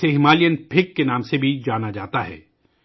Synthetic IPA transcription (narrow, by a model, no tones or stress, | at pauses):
eɦɪmaːlijənpʰɪkːenaːmsebʱid͡ʒaːnad͡ʒaːt̪aɦɛ̰ː